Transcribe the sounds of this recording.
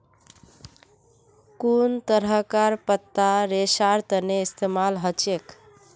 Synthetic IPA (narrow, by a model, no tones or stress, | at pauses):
kunt̪əɾɦəkaɾpət̪ːaɾesaɾt̪əneist̪emalɦət͡ʃek